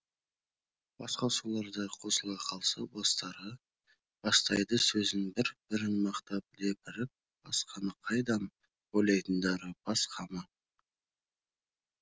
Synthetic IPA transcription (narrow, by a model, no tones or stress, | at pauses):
b̥ɑsqɑsulˠɑɾd̪ɑqʰo̞səlˠɑqʰɑlˠsə̰bɑst̪ɑɾə | b̥ɑst̪ɑjd̪əsɵzɪnbɪɾb̥ɪɾɪnmɑqt̪ɑp̚le̞pɪɾɪp̚ | b̥ɑsqɑnəqʰɑjd̪ɑm | bolˠɑjt̪ənd̪ɑɾəb̥ɑsqʰɑmɑ